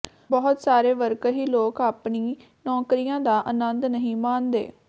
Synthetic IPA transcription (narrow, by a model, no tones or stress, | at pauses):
bɔɦʊt̪saːɾeːʋəɾkɦiːloːkaːpɳiː | nɔːkɾiːjãːd̪aːʔənənd̪nəɦĩːmaːnd̪ḛː